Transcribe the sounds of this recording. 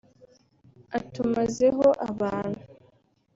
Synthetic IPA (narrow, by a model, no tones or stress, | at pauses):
atumazeɦo̞ʔaβaːnhu